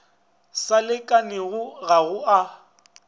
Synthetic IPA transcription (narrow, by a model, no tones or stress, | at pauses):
salɪkʼanɪɣʊɣaɣʊa